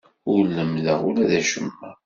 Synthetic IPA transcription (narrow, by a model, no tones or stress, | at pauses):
ʊɾlːəmləʁʊlæðæʃəmːæ